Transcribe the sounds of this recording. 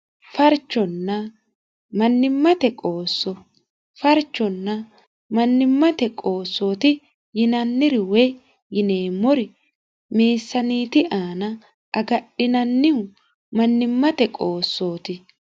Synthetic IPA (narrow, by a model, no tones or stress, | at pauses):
fɐɾt͡ʃːɔnːɐ | mɐnːɪmːɐt̪ɛkʼoːsːɔ | fɐɾt͡ʃːɔnːɐ | mɐnːɪmːɐt̪ɛkʼo̞ːsːo̞ːt̪ɪ | jɪnɐnːɪɾɪwɛ | jɪneːmːɔɾɪ | meːsːɐniːt̪ɪʔaːnɐ | ʔɐɡɐɗɪnɐnːɪʊ | mɐnːɪmːɐt̪ɛkʼoːsːo̞ːt̪ɪ